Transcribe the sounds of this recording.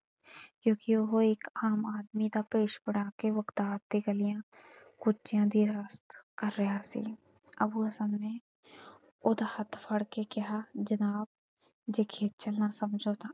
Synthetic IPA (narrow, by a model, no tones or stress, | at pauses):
kjõːkioɦoeːkaːmaːd̪mid̪apeːʃbəɽaːkeʋəkt̪aːt̚t̪iɡəlɪjã | kʊt͡ʃijãd̪iɾaːst̪kəɾːɐɦasḭ | ə̰buəsənne | od̪ahət̪ʰpʰəɽkekɪɦad͡ʒənaːb̚ | d͡ʒekʰeːt̪̚t͡ʃəlnasəmd͡ʒʱot̪ʰaː